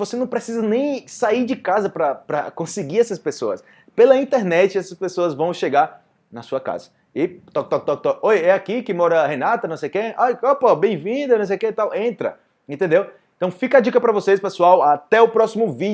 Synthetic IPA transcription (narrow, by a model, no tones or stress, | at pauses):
vosenɐ̃w̃pɾesizɐnẽj̃saiɾd͡ʒɪkazɐpɾɐpɾɐkõsɪɡiɾɛsɐspesoɐs | pelɐĩt̪eɾnɛt͡ʃɪɛsɐspesoɐzvɐ̃w̃ʃeɡaɾ | nɐsuɐka̰zɐ | ɪt̪ɔk̚t̪ɔk̚t̪ɔk̚t̪ɔkojɛakikɪmɔɾɐhenat̪ɐnɐ̃w̃sejʊkeajopobẽj̃vĩd̪ɐnɐ̃wsejʊket̪awʔẽnt̪ɾɐ | ẽt̪ẽnd̪ewẽt̪ɐ̃w̃fikad͡ʒikɐpɾɐvosejspesuawat̪ɛʊpɾɔsimʊvi